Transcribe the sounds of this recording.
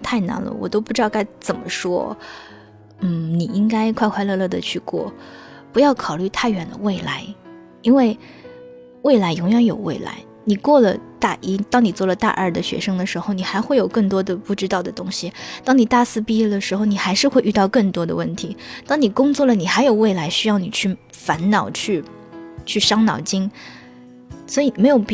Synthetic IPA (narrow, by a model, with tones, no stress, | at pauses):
t̪ʰa˥˩ɪna̰˧˥nlə̰˧wɔ˨˩t̪o˥ʊpu˥˩ʈ͡ʂɻt̪ɑ˥˧ka˥˩ɪt͡sə˨˩nmə˦ʂwɔ̰˥ | n̩˥˩ni˨˩i˥ŋka˥ɪkʰwa˥˧kʰwa˥˧ɪlɤ˥˧lɤ˥˩d̪ə˨t͡ɕʰy˥˧kwɔ̰˥˩pu˧˥jɑ˥˩ʊkʰɑ˨˩ʊly˥˧t̪ʰa˥˩ɪɥɛ˧˥˩nd̪ə̰˧we˥˩ɪla̰˧˥ɪ | i˥nwe˥˧ɪ | we˥˩ɪla˧˥ɪjʊ˧˥ŋɥɛ˧˥˦njo˨˩ʊwḛ˥˩ɪla̰˧˥ɪ | ni˨˩kwɔ˥˩lə˨t̪a˥˩ʔi˥t̪ɑ˥ŋni˨˩t͡swɔ˥˩lə˩t̪a̰˥˧ʔə̰˞˥˩d̪ə˩ɕɥɛ̰˧˥ʂɤ˥ŋd̪ə˨ʂɻ̩˧˥xo˧ʊni˨˩xa˧˥ɪxwe˥˩jo˨˩ʊkɤ˥˩ŋt̪wɔ˥d̪ə˨pu˥˩ʈ͡ʂɻ̩˥t̪ɑ˥˩ʊd̪ə˩t̪ʊ˥ŋɕi˨t̪ɑ˥ŋni˨˩t̪a˥˩sɹ̩˥˧pi˥d̪ə˨ʂɻ̩˧˥xo˥˧ʊni˨˩xa˧˥ɪʂɻ̩˥˧xwe˥˧y˥˧t̪ɑ˥˧ʊkɤ˥˩ŋt̪wɔ˥d̪ə̰˧wə˥˩nt̪ʰi˧˥t̪ɑ˥ŋni˨˩kʊ˥ŋt͡swɔ˥˩lə˩ni˨˩xa˧˥ɪjo˨˩ʊwe˥˩ɪla˧˥ɪɕy˥jɑ˥˩ʊni˨˩t͡ɕʰy˥˩fa˧˥nnɑ˨˩ʊt͡ɕʰy˥˩ | t͡ɕʰy˥˩ʂɑ˥ŋnɑ̰˨˩ʊt͡ɕi˥ŋ | swɔ˧˥i˨me˧˥ɪjo˨˩ʊp